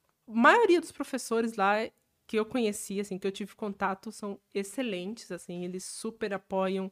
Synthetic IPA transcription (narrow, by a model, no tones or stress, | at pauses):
majoɾiɐd̪ʊspɾofesoɾɪzla | kɪewkõɲesiasĩkɪewt͡ʃivɪkõnt̪at̪ʊsɐ̃w̃eselẽt͡ʃɪ̥z̥asĩelɪsːupeɾapɔjɐ̃w̃